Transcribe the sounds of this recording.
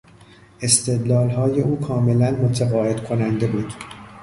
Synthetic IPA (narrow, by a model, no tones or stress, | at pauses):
ʔe̞st̪e̞d̪lɒːlɦɒːje̞uːkʰɒːme̞lænmo̞t̪ʰeɣɒːe̞d̪̥kʰo̞nænd̪e̞buːd̪̥